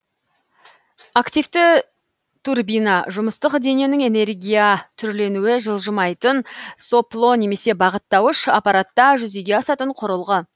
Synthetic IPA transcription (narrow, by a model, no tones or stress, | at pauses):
akt̪ijft̪ɪ | t̪ʰurbijnɑʒʊməst̪əqd̪e̞nijenɪŋe̞ne̞rɡʲijat̪ʰʏɾle̞nuwɪʒəlˠʒəmɑjt̪ənso̞plˠo̞ne̞me̞se̞bɑʁət̪ːɑwəʃɑ̰pɑɾat̪ːɑʒʏze̞ɡʲe̞ɑsɑt̪əɴqʰʊɾəlˠʁə